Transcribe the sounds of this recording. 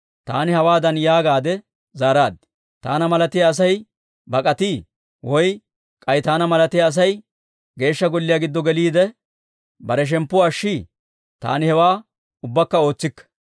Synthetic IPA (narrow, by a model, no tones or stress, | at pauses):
t̪a̰ːnɪhɐwaːd̪ɐnjaːɡaːd̪ɛ | zaːɾaːd̪ɪ | t̪a̰ːnɐmɐlɐt̪ɪjɐːs̬ɐj | bɐkʼɐt̪iː | wɔj | kʼɐjt̪aːnɐmɐlɐt̪ɪjɐːs̬ɐj | ɡe̞ːʃːɐɡɔlːɪjaːɡɪd̪ːɔɡɛliːd̪ɛ | bɐɾɛʃ̬ɛmpːʊɐʃːiː | t̪a̰ːnɪhɛwaː | ʊbːɐkːɐo̞ːt͡sːɪkːɐ̥